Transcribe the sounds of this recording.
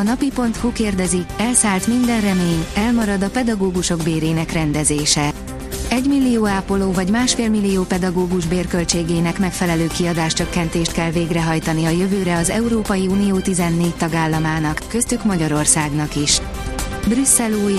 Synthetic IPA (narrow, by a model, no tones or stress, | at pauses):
ɒnɒpipo̞nt̪hukeːrd̪ɛziɛlsaːlt̪mind̪ɛnrɛmeːɲɛlmɒɾɒd̪ɒpɛd̪ɒɡoːɡuʃo̞ɡbeːɾeːnɛkrɛnd̪ɛzeːʃɛ | ɛɟmilːioːaːpoloːvɒɟmaːʃfeːlmilːioːpɛd̪ɒɡoːɡuʒbeːrkø̞lt͡ʃeːɡeːnɛkmɛkfɛlɛløːkiɒd̪aːʃt͡ʃø̞kːɛnt̪eːʃt̪kɛlveːɡrɛɦɒjt̪ɒniɒjøvøːɾɛɒzɛuɾoːpɒjiuːnijoːt̪izɛnːeːc̚t̪ɒɡaːlːɒmaːnɒkːøst̪ykmɒɟɒɾo̞rsaːɡnɒkiʃ | brysːɛloː